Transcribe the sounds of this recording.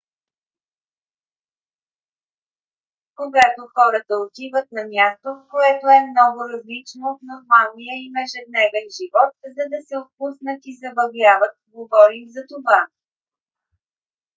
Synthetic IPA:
koɡat̪oxɔɾət̪əot̪ivət̪̚nɐmʲjast̪okoɛt̪oɛmnɔɡʊɾɐzlit͡ʃnot̪noɾmalnijəimɛʒɛd̪̚nɛvɛnʒivɔt̪zɐd̪ɐsɛot̪̚pusnət̪izɐbɐɡlavət̪ɡovɔɾimzɐt̪ova

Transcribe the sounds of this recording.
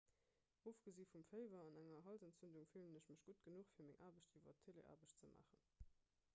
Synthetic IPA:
ʔoːfɡ̥əziːfumfəɪvɐɑnæŋɐɦɑlzæntt͡sɵnduŋfilənəʃməʃɡ̥utɡ̥ənuχfiːɐmɪŋʔaːbəɕtiːvɐtʰelḛʔa̰ːbəɕt͡səmʔa̰ːχən

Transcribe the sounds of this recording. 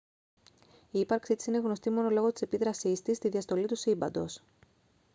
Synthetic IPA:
iːpɐɾksit̪i̥sine̞ɣno̞st̪imo̞no̞lo̞ɣo̞t̪i̥se̞piðɾɐsist̪ist̪iðiɐst̪o̞lit̪usibɐ̰nd̪o̞s

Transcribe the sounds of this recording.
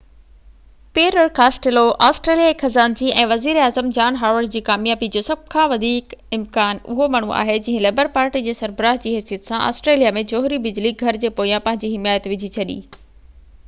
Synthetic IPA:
peːɾəɾkaːsʈeloʔaːsʈɾeːlijaːexʰɐzaːnd͡ʑiʔɛ̃ːʋɐziːɾaːzəmd͡ʑaːnɦaːʋəɾɖd͡ʑiːkaːmjaːbid͡ʑoːsɐb̚ʱkʰãʋɐd̪ʱiːkɪmkaːnʊ̰ɦomaːɳ̤̃uʔa̰ːɦed͡ʑɐ̃ːɦɪ̃leːbəɾpaːɾʈid͡ʑeːsɐɾbəɾaːɦd͡ʑiːɦɛːsijət̪sãʔa̰ːsʈɾeːlijamẽd͡ʑoːɦɾibɪd͡ʑliɡʱɐɾd͡ʑeːpoːijãpɐ̃ɦɪ̃ɲd͡ʑiɦɪmaːjət̪ʋɪd͡ʑʱit͡ɕʰɐɗḭː

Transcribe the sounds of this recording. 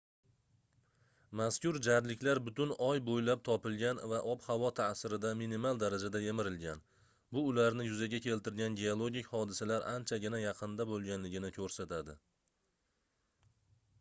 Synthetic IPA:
maskʲʊɾd͡ʒaɾlɪkʲlaɾbʊt̪ʊnɒjbojlap̚t̪ʰɒpɪlɡʲanvaʔɒphavɒt̪ʰasɪɾɪd̪aminimalˠd̪aɾad͡ʒad̪aje̞mɪɾɪlɡʲan | bʊːlaɾnɪjʊzaɡʲakʲʰe̞lt̪ɪɾɡʲanɡʲe̞olˠoɡʲɪkʲhɒd̪ɪsalaɾʔant͡ʃʰaɡʲɪnajɑqʰɨnd̪abolˠɡʲanlɪɡʲɪnɪkʲʰɵɾsat̪ʰad̪ɪ

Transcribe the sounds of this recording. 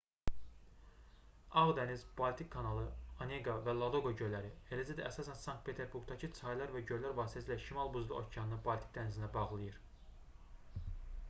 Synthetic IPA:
ɑʁd̪ænizb̥ɑlʲt̪ʰikʰːɑnɑlˠɯoneɡɑvælˠɑd̪oɡoɟøjlæɾielæzæd̪æʔːsɑsænsɑŋk̚t̪̚pʰe̞t̪ʰe̞ɾbuɾɡd̪ɑcʰɯt͡s̪ʰɑjlˠɑɾvæɟøjlæɾvɑːsi̥t̪ʰæsilʲæʃimɑlˠbuzlˠuʔo̰cʰjɑnɯnɯbɑlʲt̪i̥k̚d̪ænizind̪æbɑʁlˠɯjɯɾ

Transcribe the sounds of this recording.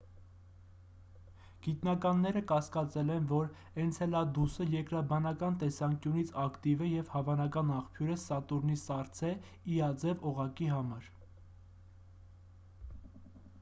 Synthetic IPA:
ɡ̥it̪nɑkɑnːɛɾəkɑskɑt͡sɛlɛnvɔɾ | ɛnt͡sʰɛlɑd̪usəjɛkɾɑbɑnɑkɑnt̪ɛsɑŋkjunit͡sʰɑkt̪ivɛjɛvhɑvɑnɑkɑnɑχpʰjuɾəsɑt̪uɾnisɑɾt͡sʰɛ | iɑd͡zɛvɔʁɑkiɦɑmɑɾ

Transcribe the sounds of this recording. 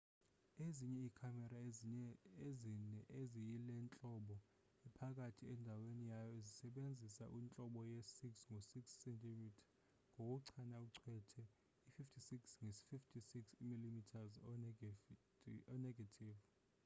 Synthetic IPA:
eziɲɛikʰamɛɾaeɛezinɛʔezijilɛnt͡ɬʼɔɓɔ | ɛpʰak̬ʼatʰiɛndʱawenijajɔezisɛɓend͡zʱisa̰ʔint͡ɬʼɔɓɔjesiksŋosiksːɛntʰʼimitʰḁ | ŋʱok̬uǀʰanauǀʰwɛtʰɛ | ififtʰisiksŋesi̥fiftʰisiksimilimitʰazɔ | ɔnɛɡʱatʰiːv

